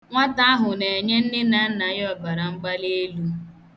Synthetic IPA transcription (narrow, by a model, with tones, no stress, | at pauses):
ŋʷa˦ta˦a˦ɦʊ˨ne˨e˨ɲe˦n̩˦dɪ˦na˨n̩˦na˨jɔ˦˨ba˨ɾa˨ŋ͡m̩˦ɡ͡ba˦le˦lu˦